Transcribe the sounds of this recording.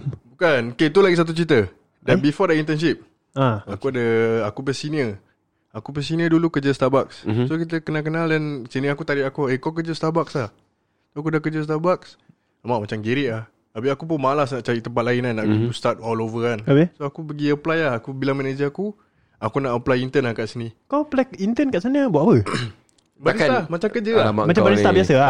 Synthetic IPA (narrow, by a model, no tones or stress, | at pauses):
bukanoket̪̬ulaɡis̬at̪̬ut͡ʃit̪̬ə | dabifɔdəint̪ɛnʃ̬ip̚ | aakuadəakupəsiniə | akupɛsiniədulukəd͡ʒəst̪abakssokit̪əkənalkənaldɛnsinəakut̪aɾiakuekawk̬əd͡ʒəst̪abak̚slah | soak̬udahkəd͡ʒəst̪abaks | amaʔmat͡ʃamɡiɾɪʔah | apiakup̬ʊnmalasnaʔt͡ʃaɾit̪əmpat̪̚laɪnanːaʔbit̪ust̪at̪̚ɔlovəanabesoakupəɡiəplajahakubilamɛnəd͡ʒiaku | akunaʔəplajint̪ənahkaʔsənĩkawplɛkint̪ənkaʔsanəbuaʔapə | balamat͡ʃamkəd͡ʒəaama̰ʔmat͡ʃabaɾət̪aʔbiasəa